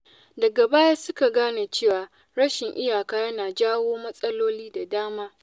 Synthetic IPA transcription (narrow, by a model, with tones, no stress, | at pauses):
dɐ˨ɡɐ˨baː˦jaː˦sʊ˦ka˨ɡaː˦na˨t͡ʃeː˦˨waː˨ | ɽɐ˦ʃɪ˨ŋʔɪ˦jaː˨kaː˦jɐ˦naː˨d͡ʒaː˦woː˦mɐ˦sʼɐ˦loː˦liː˦da˨daː˦maː˦